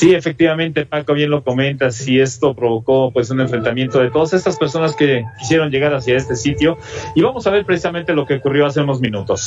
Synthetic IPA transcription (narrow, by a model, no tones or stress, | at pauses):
sie̞fe̞k̚t̪iβamẽ̞nt̪e̞pako̞βje̞nlo̞ko̞mẽ̞nt̪asie̞st̪o̞pɾo̞β̞o̞ko̞pwe̞s̬une̞ɱfɾe̞nt̪amje̞nt̪o̞ðe̞t̪o̞ðase̞st̪aspe̞ɾso̞naske̞kis̬je̞ɾonʝe̞ɣaɾas̬jae̞st̪e̞sit̪jo̞iβamo̞saβe̞ɾpɾesisament̪e̞lo̞ke̞okurjoas̬euno̞zmĩnut̪o̞s